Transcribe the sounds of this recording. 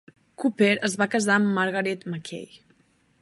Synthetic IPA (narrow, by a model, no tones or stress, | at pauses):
kupeɾəzβakəzaəmːəɾɣəɾɛt̪məkʰḛj